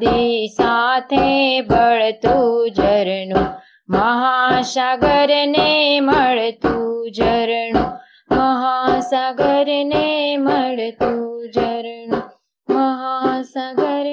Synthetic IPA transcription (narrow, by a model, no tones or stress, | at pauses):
d̪isat̪ʰebəɭt̪ud͡ʒəɾɳũ | məɦaʃaɡəɾneməɭt̪ud͡ʒəɾɳũ | məɦasaɡəɾneməɭt̪ud͡ʒəɾɳũ | məɦasaɡəɾ